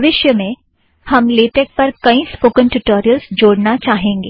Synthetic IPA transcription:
ʋɪʃjəmẽ | hɐmleːʈɛk̚pɐɾkɐĩspoːkə̃nʈʊʈoːɾijəlsd͡ʒoːɽnat͡ʃaːɦẽːŋɡeː

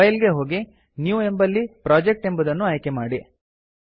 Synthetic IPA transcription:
ɐjlɡeɦo̞ːɡi | njuːe̞mbɐlːipɾaːd͡ʒek̚ʈe̞mbɐd̪ɐnːuɐjkemaːɽi

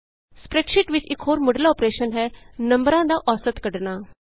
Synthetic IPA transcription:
spɾeːʈʃɪʈʋɪt͡ʃɪkɦoːɾmʊɖlaoːpɾeːʃənɦɛnɐ̃mbəɾãd̪aʔɔːsət̪kəɽɳaː

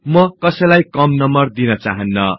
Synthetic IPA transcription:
mʌkʌsʌlajkʌmnʌmbʌrd̪inʌt͡saɦʌnːʌ

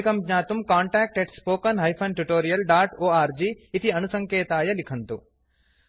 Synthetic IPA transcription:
kɐmɲaːt̪umkaːɳʈaːk̚ʈeʈspoːkɐnɦɐjpʰɐnʈuʈoːɾijɐlɖaːʈoːaːɾd͡ʒiːt̪iɐnusɐŋkeːt̪aːjɐlikʰɐnt̪u

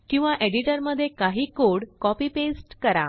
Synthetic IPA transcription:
kĩw̃ʋaʔeɽiʈəɾməd̪ʱːjekaɦiːkoɽkɔpiːpesʈkəɾa̰

